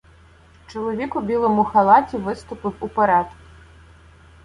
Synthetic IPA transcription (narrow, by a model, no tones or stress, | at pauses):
t͡ʃɔlˠɔʋʲikʊbʲilˠɔmʊxɐlˠɑtʲiʋɪst̪ʊpɨwupɐɾad̪k